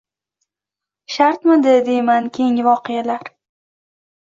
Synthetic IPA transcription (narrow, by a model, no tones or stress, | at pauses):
ʃaɾt̪mɪd̪ɪd̪e̞jmankʲʰejŋvɒqʰɨjalaɾ